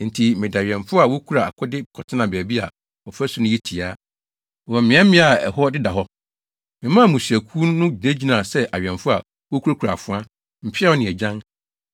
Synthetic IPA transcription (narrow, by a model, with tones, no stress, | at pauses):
n̩˨tʰi˨mɪ̃˨da˨ɥɛ̃˨ɱfʊ˦a˨wo˦kʰu˦ɾa˨a̰˨kʰɔ˦dɪ˦kʰɔ˨tʰɪ˦nã˨bæː˨bi˦a˨ | ɔ˨fæ˦sʊ˨nʊ̃˦ji˦tʰi˨aː˦˨ | ɔ˨mɪ̃˨˦ɛ˦mɪ̃˦a˨ɛ̰˨hɔ˦dɪ˦da˨ɦɔ˦ | mɪ̃˨mã˦˨mũ˨si˨æ˨kʰu˦nʊ̃˦d͡ʑi˨nẽ˦d͡ʑi˨nã˨sɛ˦ʔa˨ɥᶣɛ̃˨ɱfʊ˦a̰˨ | wo˦kʰu˦ɾa˦kʰu˨ɾa˨fʊ˦a˦ | m̩˨pʰɪ˦ɛ˦ɔ˦nɪ̃˨ɛ˨d͡ʑã˦ŋ